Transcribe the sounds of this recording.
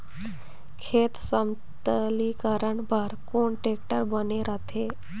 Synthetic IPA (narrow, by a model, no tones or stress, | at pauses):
kʰet̪səm | t̪əlikaɾəɳbʱaɾkoɳʈek̚ʈəɾbəneɾat̪ʰe